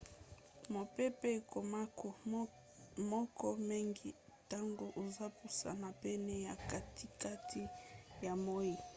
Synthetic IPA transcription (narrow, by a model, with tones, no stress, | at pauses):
mo˨pɛ˦pɛ˦˨ko˨ma˦ko˨ | mɔ˦kɔ˦mi˦ŋɡi˦ | ta˦ŋɡo˦ʔo˨za˦pu˨sa̰˨na˨pɛ˦nɛ˦ja˨ka˨tʰi˨ka˦tʰi˦ja˨mo˦ji˨